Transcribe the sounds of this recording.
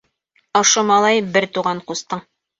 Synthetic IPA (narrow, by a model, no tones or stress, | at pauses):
ŏʃŏmɑlˠɑjbɘɾt̪uʁɑɴqust̪ɤɴ